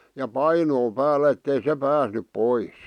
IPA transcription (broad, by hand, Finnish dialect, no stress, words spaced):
jɑ pɑinoː pæːlːæ etːei se pæːsnyp pois